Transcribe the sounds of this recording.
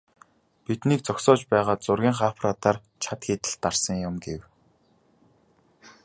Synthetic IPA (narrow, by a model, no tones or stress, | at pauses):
pit̪niːk̚t͡sɔksɔːt͡ɕpæːʁaːt͡sʊrɣʲiːŋχapʰraːt̪aːr | t͡ɕʰat̪xit̪ɘ̆ɬt̪ːarsə̆ŋjʊmɡew